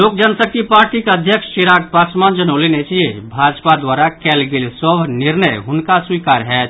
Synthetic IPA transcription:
loːk̚d͡ʒənsək̚t̪ipaːɾʈikeəd̪ʱjəkʃʃiɾaːk̚pasmand͡ʒənoːlinet͡ʃiebʱad͡ʒpad̪waɾakɛlɡelsɔbʱnɪɾnəjɦʊnkaswikaːɾɦɛː

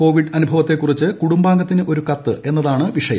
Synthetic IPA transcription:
ko̞ːʋiɖɐnubʱɐʋɐt̪ːe̞kːurit͡ɕːɨkuɽumbaːŋɡɐt̪ːinɨʔo̞ɾukɐt̪ːɨe̞nːɐðaːɳɨʋiʂɐjɐ̰

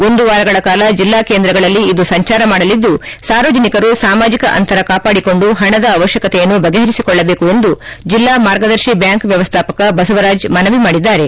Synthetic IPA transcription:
o̞nd̪uʋaːɾɐɡɐɭɐkaːlɐd͡ʒilːaːkeːnd̪ɾɐɡɐɭɐlːiːd̪usɐɲt͡ʃaːɾɐmaːɽɐlid̪ːusaːɾʋoːd͡ʒɐnikɐɾusaːmaːd͡ʒikɐʔɐ̰nt̪ɐɾɐkaːpaːɽiko̞ɳɖuɦɐɳɐd̪ɐːʋɐʃjɐkɐt̪ɛjɐnːubɐɡeɦɐɾisikɔɭːɐbe̞ːkue̞nd̪ud͡ʒilːaːmaːɾɡɐd̪ɐɾʃibjaːŋkʋjɐʋɐst̪ʰaːpɐkɐbɐsɐʋɐɾaːd͡ʒmɐnɐʋimaːɽid̪ːaːɾe̞

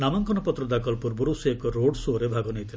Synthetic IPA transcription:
namɔŋkɔnɔpɔt̪ɾɔd̪akɔlpuɾbuɾusekɔɾoɖsoɾebʱaɡɔnejt̪ʰile

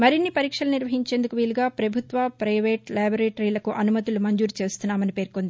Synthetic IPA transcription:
mɐɾinːipɐɾiːkʂɐlɐniɾʋɐɦiɲt͡ʃe̞ːnd̪ukuʋiːluɡaːpɾɐbʱut̪ʋɐpɾɐjʋeːʈlaːboɾeːʈɾilɐkuʔɐnumɐt̪ulumɐɲd͡ʒuːɾut͡ʃe̞ːst̪unːaːmɐnipe̞ːɾkond̪i

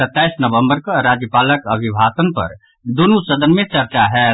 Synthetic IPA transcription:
ət̪ːaɪsnəʋə̃mbəɾkaɾad͡ʒjəpaːləkəbʱibʱasənpə̰ɾ | d̪onusəd̪ənmẽt͡ʃəɾt͡ʃaɦɛ

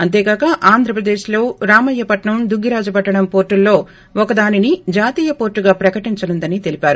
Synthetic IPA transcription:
ɐnt̪eːɡaːkɐʔaːnd̪ʱɾɐpɾɐd̪eːʃlo̞ːɾaːmɐjːɐpɐʈɳɐmd̪uɡʱːiɾaːd͡ʒupɐʈːɐɽɐmpo̞ːɾʈːulːo̞ː | ɔkɐd̪aːninid͡ʒaːt̪iːjɐpo̞ːɾʈːuɡaːpɾɐkɐʈiɲt͡ʃɐnund̪ɐnit̪e̞lipʲaːɾu

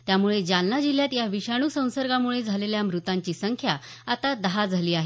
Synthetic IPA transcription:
t̪jamuɭed͡ʑanːad͡ʑiljat̪jaʋiɕaɽ̃uːsə̃w̃səɾɡamuɭed͡zʱaleljamɾut̪aɲt͡ɕiːsəŋkʰja | at̪ad̪əɦad͡zʱaliːaɦe

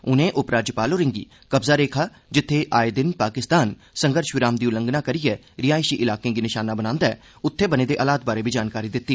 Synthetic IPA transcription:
ʊnẽːʔʊpɾaːd͡ʒəpaːloːɾɪ̃ŋɡḭː | kəbzaːɾeːkʰaː | d͡ʒɪt̪ʰːeːʔaːed̪ɪnpaːkɪst̪aːn | səŋɡəɾʃʋɪɾaːmd̪iːʊlə̃ŋɡnaːkəɾijɛː | ɾɪjaːɪʃiːʔɪlaːkẽːɡiːnɪʃaːnaːbənãːnd̪aɛː | ʊt̪ʰːeːbənẽːd̪eːʔəːlaːt̪̚baːɾeːbiːd͡ʒaːnkaːɾiːd̪ɪt̪ːiː

